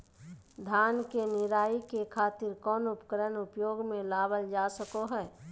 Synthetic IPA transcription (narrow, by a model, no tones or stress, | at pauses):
d̪ʱaːnkenɪɾaːikekʰaːt̪ɪɾkɔːnʊpkəɾənʊpjoːɡmẽlaːbəld͡ʒaːsəkoɦɛː